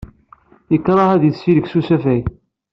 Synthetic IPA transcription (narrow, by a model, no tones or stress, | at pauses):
jəkːɾˤɑhæðjəθːiləksusæfæj